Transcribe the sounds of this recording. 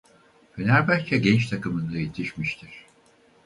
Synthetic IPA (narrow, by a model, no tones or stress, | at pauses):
fʰenæɾbæɾʲt͡ʃʰɛɟɛnt͡ʃt̪ʰakɯmɯnd̪ajet̪ʰiʃmiʃt̪ʰiɾ̥